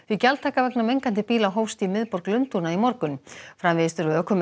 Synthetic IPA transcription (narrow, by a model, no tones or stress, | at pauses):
vicalt̪ʰaːkavɛknamejŋkant̪ɪpiːlawɦoːwst̪imɪðpɔɾklʏnt̪unaimɔɾkʏnfɾamvɪst̪ʏɾʏœkʰːʏm